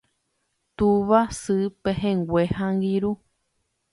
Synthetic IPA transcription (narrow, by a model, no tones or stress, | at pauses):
t̪uβasɨpeɦẽŋɡʷehãŋɡiɾu